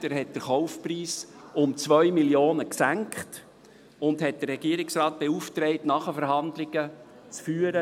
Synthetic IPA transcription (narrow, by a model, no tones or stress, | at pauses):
dəɾɦɛt̚d̥əɾχɔʊfpriːsʊmt͡svœʏmiljoːnəksæŋkχt | ʊndhɛt̚d̥əɾːɛɡiəɾɪksrɑːt̚b̥euftɾɛɪtnɑχəfəɾɦɑndlɪɡ̥ə | t͡sfyːəɾə